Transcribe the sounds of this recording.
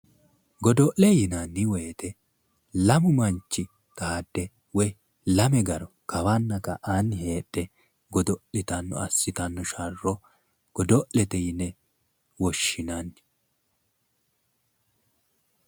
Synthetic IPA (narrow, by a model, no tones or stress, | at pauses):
ɡɔd̪ɔʔlɛjɪnanːɪwɛjt̪ɛ | lɐmʊmɐnt͡ʃːɪ | t̪ɐhad̪ːɛ | wɔj | lɐmɛɡɐɾɔ | kɐwanːɐkːɐʔanhe̞ːɗːɛ | ɡɔd̪ɔʔlɪt̪ɐnːɔ̰ɐsːɪt̪ɐnːɔʃɐrːɔ | ɡ̥ɔd̪ɔʔlɛt̪ɛjɪnːɛ | wɔʃːɪnanːɪ̥